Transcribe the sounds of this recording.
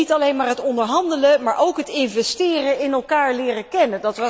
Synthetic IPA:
itɑlejnmaːɹɦətɔndəɹɦɑndələmaːɹʔowkɦətɪnvɛstɪːrəɪnɛlˠkaːɹlɪːrəkɛnəndɑtʋɑ

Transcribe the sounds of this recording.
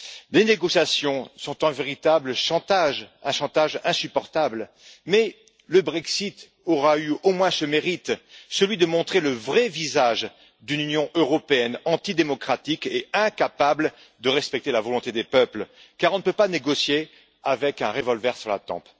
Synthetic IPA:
leneɡɔsjasjɔ̃sɔ̃t̪ɛ̃veʁit̪abləʃɑ̃t̪aʒɛ̃ʃɑ̃t̪aʒɛ̃sypɔʁt̪abl | mɛ | ləbʁɛksit̪ | ɔʁayomwɛ̃səmeʁit̪səlɥid̪əmɔ̃t̪χeləvʁɛvizaʒ | d̪ynynjɔ̃ʔøʁɔpeɛnɑ̃t̪id̪emɔkχat̪ikeɛ̃kapabl | d̪əʁɛspɛk̚t̪elavɔlɔ̃t̪ed̪epœplkaʁɔ̃nəpøpaneɡɔsje | avɛkɛ̃ʁevɔlvɛʁsyʁla̰t̪ɑ̰̃p

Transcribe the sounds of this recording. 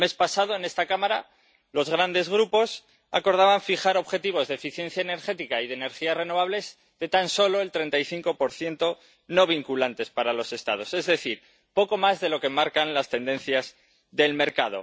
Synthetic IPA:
me̞spasaðo̞e̞ne̞st̪akamaɾa | lo̞zɣ̞ɾand̪e̞zɣ̞ɾupo̞s | a̰ko̞ɾð̞aβaɱfixaɾo̞βxe̞t̪iβ̞o̞zðefiθje̞n̟θjaene̞ɾxe̞t̪ikaiðene̞ɾxiare̞no̞βaβle̞z | ðe̞t̪anso̞lo̞e̞lt̪ɾe̞nt̪ajθiŋko̞po̞ɾθje̞nt̪o̞ | no̞βiŋkulant̪e̞spaɾalo̞se̞st̪að̞o̞se̞zðe̞θiɾ | po̞ko̞mazðe̞lo̞ke̞maɾkanlast̪e̞nd̪e̞nθjaz | ðe̞lme̞ɾkaðo̞̰

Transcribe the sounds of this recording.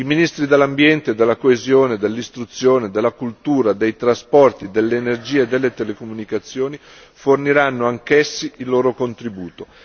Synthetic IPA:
iminist̪ɾid̪elːambjɛnt̪ed̪elːakoezjoːned̪elːist̪ɾut̪sːjoːned̪elːakult̪uːɾad̪ejt̪ɾaspɔrt̪id̪elːeːnerd͡ʒiːed̪elːet̪elekomunikat̪sːjoːni | forniɾanːoaŋkesːiilːoːɾokont̪ɾibuːt̪o

